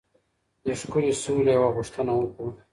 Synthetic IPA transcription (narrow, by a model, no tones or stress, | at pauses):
d̪əʂkulisulewaɣʊʂt̪ənawoku